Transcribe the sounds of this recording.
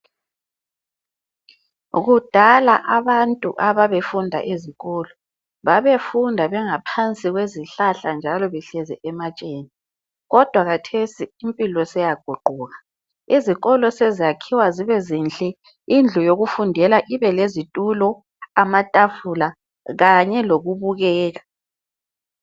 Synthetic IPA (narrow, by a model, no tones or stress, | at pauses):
ɣud̥ʱalaʔaβantʼṵʔaβaβefundʱa̰ʔeziɣɔːlɔ | βaβefundʱaβɛŋapʰant͡sʼiɣweziɬaɬand͡ʒʱalɔβɛɬɛzɛʔɛmat͡ʃʼeːni | ɣɔd̥ʱwaɣatʰesiːmpʼilɔsɛjaɡ̥ʱuɡ͡ǃʱuːɣa | iziɣɔlɔsezijakʰiwaziβɛzinɬʼɛ | ind͡ɮʱujoɣufundʱɛlaʔiβɛlezitʼulɔ | amatʼafula | ɣaɲɛloɣuβuɣɛːɣa